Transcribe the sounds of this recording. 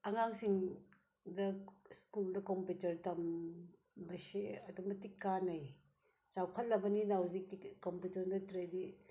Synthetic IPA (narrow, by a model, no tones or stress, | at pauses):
ɐŋaŋsiŋ | dɐskuldɐkomputɐɾtɐm | bɐseɐduŋbɐtikːanɐj | t͡ʃawkʰɐt̚lːɐbɐninawzik̚tikomputɐɾdɐtɾedi